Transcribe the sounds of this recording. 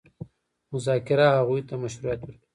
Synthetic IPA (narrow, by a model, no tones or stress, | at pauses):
mʊzɑkɪɾaɦaɣujt̪amaʃuɾujat̪wəɾki̥